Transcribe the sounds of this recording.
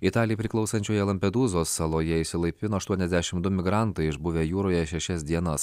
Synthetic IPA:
it̪ɑːlʲɪjɛpʲɾʲɪklˠɐʊsɐnʲt͡ʃʲoːjɛlˠɐmʲpʲɛd̪uːzoːsːɐlˠoːjɛɪsʲɪlˠɐɪpʲɪnoːɐʃt̪uɔnʲɛzd̪ʲɛʃʲɪmd̪ʊmʲɪɡɾɑˑnt̪ɐɪɪʒbʊʋʲeːjuːɾoːjɛʃʲɛʃʲɛsd̪ʲiɛnɐs

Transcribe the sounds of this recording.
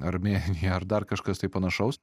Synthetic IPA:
ɐɾmʲeːnʲɪjɛɐɾd̪ɐɾkɐʃkɐst̪ɐɪpɐnɐʃɐʊs

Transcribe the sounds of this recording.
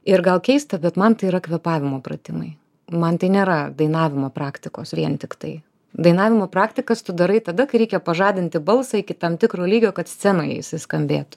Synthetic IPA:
ɪɾɡɐlˠkʲɛɪst̪ɐbʲɛt̪mɐnt̪ɐɪiɾɐkʋʲɛpɑːʋʲɪmoːpɾɐ̰t̪ʲɪmɐɪ | mɐnt̪ɐɪnʲeːɾɐd̪ɐɪnɑːʋʲɪmoːpɾɑːkt̪ʲɪkoːsʋʲiɛnt̪ʲɪkt̪ɐɪ | d̪ɐɪnɑːʋʲɪmoːpɾɑːkt̪ʲɪkɐst̪ʊd̪ɐɾɐɪt̪ɐd̪ɐkɐɪɾʲɛɪkʲɛpɐʒɑːd̪ʲɪnʲt̪ʲɪbɐlˠsɑɪkʲɪt̪ɐmt̪ʲɪkɾoːlʲiːɡʲoːkɐt̪sʲt͡sʲsʲɛnɐɪɪ̰ʃʲsʲɪskɐmʲbʲeːt̪ʊ̥

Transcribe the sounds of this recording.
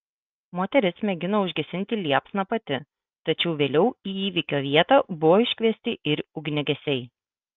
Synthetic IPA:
moːt̪ʲɛɾʲɪsmʲɛɡʲɪnɐʊʒʲɡʲɛsʲɪnʲt̪ʲɪlʲiɛpsnɐpɐt̪ʲɪ | t̪ɐt͡ʃʲɛʊʋʲeːlʲɛʊiːiːʋʲɪkʲoːʋʲiɛt̪ɐːbʊʋoːɪʃʲkʲʋʲiɛsʲt̪ʲɪʔɪɾʊɡnʲɛɡʲɛsʲɛɪ

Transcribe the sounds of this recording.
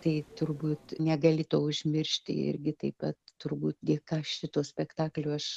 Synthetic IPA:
t̪ɐɪt̪ʊrbuːt̪nʲɛɡɐlʲɪt̪oːʊʒʲmʲɪrʲʃʲt̪ʲɪ̰ɪ̰ɾʲɡʲɪt̪ɐɪpɐt̪t̪ʊrbuːt̪ɡʲiɛkɑːʃʲɪt̪oːsʲpʲɛkt̪ɑːklʲuːɐʃ

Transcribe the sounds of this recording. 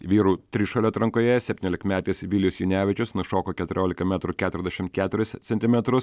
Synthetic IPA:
ʋʲiːɾuːt̪ʲɾʲɪʃɐlʲɛt̪ɾɐŋkoːjɛsʲɛpʲtʲinʲoːlʲɪkmʲæːt̪ʲiːsʋʲɪlʲjʊsjʊnʲæːʋʲɪt͡ʃʲʊsnʊʃoːkoːkʲɛt̪ʊɾʲoːlʲɪkɐmʲɛt̪ɾuːkʲæːt̪ʊɾʲɛzʲd̪ʲɛʃʲɪmt̪̚kʲæːt̪ʲʊɾʲɪst̪sʲɛnt̪ʲɪmʲɛt̪ɾʊs

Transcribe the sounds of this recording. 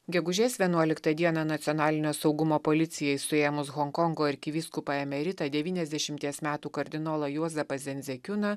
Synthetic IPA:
ɡʲɛɡʊʒʲeːsʋʲiɛnuɔlʲɪkt̪ɐd̪ʲiɛnɐnɐt̪sʲɪɔnɑːlʲɪnʲoːsɒʊɡʊmoːpolʲɪt̪sʲɪjɛɪsʊeːjɛmʊsɣɔŋkɔŋɡoːɪɾʲkʲɪʋʲiskʊpɐɛmʲɛɾʲɪt̪ɐd̪ʲɛʋʲiːnʲɛzʲd̪ʲɛʃʲɪmʲt̪ʲiɛsmʲæːt̪uːkɐɾʲd̪ʲɪnoːlˠɐjuɔzʲɛpɐzʲɛnʲzʲɛkʲʊnɐ

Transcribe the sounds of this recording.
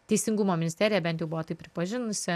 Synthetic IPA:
t̪ʲɛɪsʲɪŋɡʊmoːmʲɪnʲɪsʲt̪ʲæːɾʲɪjɛæbʲɛnt̪jɛʊbʊʋoːt̪ɐɪpʲɾʲɪpɐʒʲɪnʊsʲɪ

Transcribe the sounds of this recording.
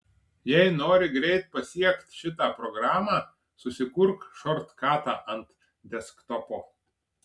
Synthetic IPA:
jɛɪnoːɾʲɪɡɾʲɛɪt̪̚pɐsʲiɛkt̪ʲʃʲɪt̪ɑːpɾɔɡɾɑːmɑː | sʊsʲɪkʊɾkʃɔɾt̪kɑːt̪ɑːʔɐnt̪ | d̪ʲɛskt̪ɔpoː

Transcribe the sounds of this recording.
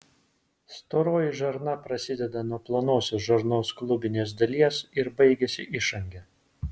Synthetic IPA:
st̪oːɾoːjɪʒɐɾnɐpɾɐsʲɪd̪ʲɛd̪ɐnuɔplˠoːnoːsʲoːsʒɐɾnoːsklˠʊbʲɪnʲeːs̬d̪ɐlʲiɛsɪɾbɐɪɡʲɛsʲɪ̰ʔɪʃɐŋʲɡʲɛ

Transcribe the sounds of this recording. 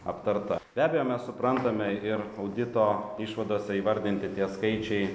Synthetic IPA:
ɐpt̪ɐɾt̪ɐb̥ʲæːbʲeɛjoːmʲɛssʊpɾɐnt̪ɐmʲɛɪɾɐʊd̪ʲɪt̪oːiʃʋɐd̪oːsʲɛiːʋɐɾʲd̪ʲɪnʲt̪ʲɪt̪ʲiɛskɐɪt͡ʃʲɛɪ

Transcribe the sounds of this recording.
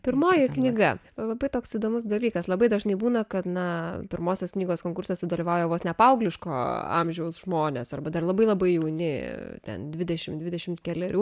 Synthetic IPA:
pʲɪɾmoːjɪknʲiɡɐ | lˠɐbɐɪt̪oːksid̪oːmʊs̬d̪ɐlʲiːkɐslˠɐbɐɪd̪ɐʒnɐɪbuːnɐkɐt̪nɐpʲɪɾmoːsʲoːsknʲiːɡoːskoːŋkʊrʲsʲɛsʊd̪ɐlʲiʋɐʊjɛːʋoːsnʲɛpɐʊɡlʲɪʃko̰ːɐ̰mʲʒʲɛʊsʒmoːnʲḛːsɐ̰rbɐd̪ɐrlˠɐbɐɪlˠɐbɐɪjɛʊnʲɪt̪ʲɛ̰nd̪ʲʋʲɪd̪ʲɛʃʲɪmd̪ʲʋʲɪdʲɛʃʲɪmt̪kʲɛlʲɛɾʲuː

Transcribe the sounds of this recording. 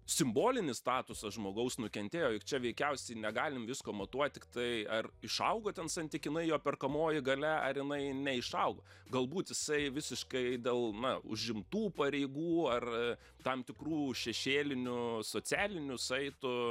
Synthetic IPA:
sʲɪmboːlʲɪnʲɪst̪ɑːt̪ʊsɐʒmoːɡɐʊsnʊkʲɛnʲt̪ʲeːjoːjɪkt͡ʃʲɛʋʲɛɪkʲɛʊsʲɛɪnʲɛɡɑːlʲɪmʋʲɪskoːmɐt̪uɔt̪̚ʲtʲɪkt̪ɐɪɐrɪʃɐʊɡoːt̪ʲɛnsɐnʲt̪ʲɪkʲɪnɐɪjoːpʲɛrkɐmoːjɪɡɐlʲɛɐ̰rjɪnɐɪnʲɛɪʃɐʊɡo | ɡɐlˠbuːt̪jɪsɐɪʋʲɪsʲɪʃkɐɪd̪ʲeːlˠnɐʊ̰ʒʲɪmt̪uːpɐɾʲɛɪɡuːɐr | t̪ɐmt̪ʲɪkruːʃʲɛʃʲeːlʲɪnʲʊsoːt͡s̪ʲæːlʲɪnʲʊsɐɪt̪ʊ

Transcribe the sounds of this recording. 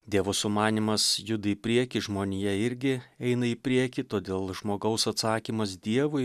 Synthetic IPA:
d̪ʲiɛʋosʊmɑːnʲimɐsjʊd̪ɐiːpʲɾʲiɛkʲɪʒmoːnʲijɛɪɾʲɡʲɪɛɪnɐɪpʲɾʲiɛkʲit̪oːd̪ʲeːlˠʒmoːɡɐʊsɐt̪sɑːkʲimɐs̬d̪ʲiɛʋʊɪ

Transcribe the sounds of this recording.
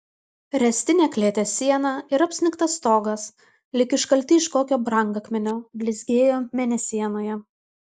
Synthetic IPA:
ɾʲɛsʲt̪ʲɪnʲeːklʲeːt̪ʲesʲiɛnɑɪɾɐpʲsʲɪnʲɪkt̪ɐst̪oːɡɐs | lʲɪkʲɪʃkɐlʲt̪ʲɪɪʃkoːkʲoːbɾɐŋɡɐkʲmʲɛnʲoːbʲlʲɪzʲɡʲeːjoːmʲɛnʲɛsʲiɛnoːjɛ

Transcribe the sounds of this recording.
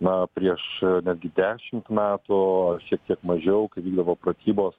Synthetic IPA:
nɐpʲɾʲiɛʃnʲæd̪ʲɡʲɪd̪ʲæːʃʲɪmt̪mʲæːt̪ʊɐʃʲiɛk̚t̪ʲiɛkmɐʒʲɛʊkɐɪʋʲiːɡd̪ɐʋoːpɾɐt̪ʲiːboːs

